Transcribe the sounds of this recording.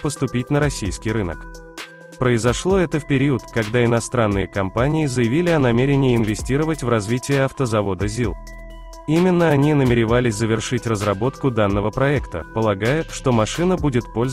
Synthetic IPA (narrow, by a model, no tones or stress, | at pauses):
pəst̪ʊpʲitʲnəɾɐsʲijskʲijɾɨnə̰k | pɾəɪzɐʂlˠo̞ɛt̪əfpʲɪɾʲiʊt̪kɐɡd̪aɪnɐst̪ɾanːɨjəkɐmpanʲɪɪzəjɪvʲilʲɪɐnɐmʲeɾʲɪnʲɪːɪnvʲɪsʲtʲiɾəvətʲvrɐzvʲitʲɪjəɐft̪əzɐvo̞d̪əzʲilˠ | imʲɪnːəɐnʲinəmʲɪɾʲɪvalʲɪsʲzəvʲɪrʂɨtʲrəzrɐbo̞t̪kʊd̪anːəvəpɾɐɛkt̪ə̰pəlˠɐɡajɪʂt̪o̞mɐʂɨnəbudʲɪt̪po̞lʲz